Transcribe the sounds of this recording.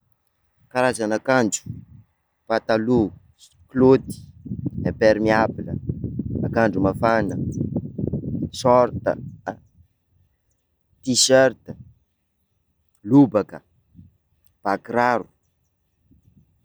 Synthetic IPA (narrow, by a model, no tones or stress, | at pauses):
kaɾazanakaɳd͡ʒu̥ | pat̪alu | klod̪i̥epeɾmiabilə̰akaɳɖ͡ʐumafanə | sɔɾt̪ə̰ | t̪iʃœɾt̪ə | lubakə | b̥akɾaɾu̥